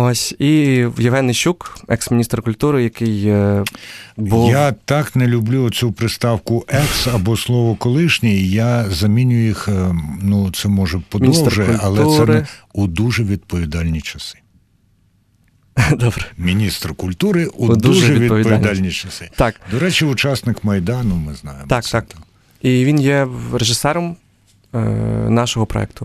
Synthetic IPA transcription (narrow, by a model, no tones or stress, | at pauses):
osʲijɪʋɦɛnɪʃukɛksmʲinʲist̪rkʊlʲt̪uɾɪjɐkɪj | bujat̪ɑknɛlʲʊblʲuɔt͡sʲupɾɪst̪ɑwkʊʔɛksɐbɔslˠɔʋɔkɔlˠɪʃnʲijazɐmʲinʲʊjixnut̪sɛmɔʒɛpɔdmʲnʲisɔt̪ʒɛjɛʊlʲɐlˠɛusɛnɛud̪uʒɛʋʲid̪̚pɔʋʲid̪ɑlʲnʲit͡ʃɐsɪ̥ | d̪ɔbɾɛmʲinʲist̪rkʊlʲt̪uɾɪʔud̪uuʒɛɛʋiʋʲid̪pːɔʋʲidpɔʋ̪ilʲd̪alʲnʲit͡ʃɐsɪt̪ɑkd̪ɔɾɛt͡ʃiʊt͡ʃɑsnɪkmɐjd̪ɑnʊmɪznɑ̰jemt̪ɑkt̪ɑk | iʋʲinjɛreʒɪsɛɾɔm | nɑʃɔɦɔpɾɔ̰ɛ̰k̚t̪ʊ